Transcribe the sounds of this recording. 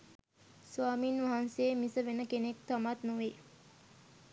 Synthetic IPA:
sʋaːminʋaɦanseːmisəʋenəkenek̚t̪amat̪nuʋe

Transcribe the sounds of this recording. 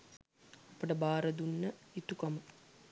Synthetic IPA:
ɐpɐʈɐbaːɾɐd̪unːɐit̪ukɐmɐ

